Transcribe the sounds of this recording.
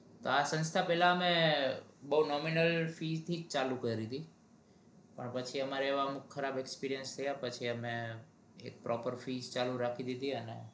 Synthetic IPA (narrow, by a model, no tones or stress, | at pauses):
t̪oasə̃nst̪ʰapɛlaəme | bəunɔminəlfid͡ʒt̪ʰid͡ʒt͡ʃalukəɾid̪i | pəɳpət͡ʃʰiəmaɾeːʋaəmukʰːəɾabekspiɾijənst̪ʰəjapət͡ʃʰiəme | ḛk̚pɾɔpəɾfid͡ʒt͡ʃaluɾakʰid̪id̪ʱiənḛ